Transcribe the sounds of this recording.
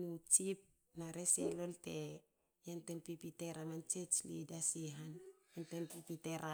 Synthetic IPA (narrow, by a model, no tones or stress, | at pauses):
nut͡ʃip̚ | naɾeselo̞lte | jentenpipite̞ɾamant͡ʃet͡ʃlḭdasiɦanjentenpipiteɾʔa